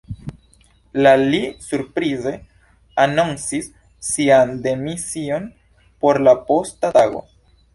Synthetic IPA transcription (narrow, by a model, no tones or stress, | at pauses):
lalisuɾpɾize̞ | anonsisː | iande̞misio̞n | po̞ɾlapo̞stataɡo̞̰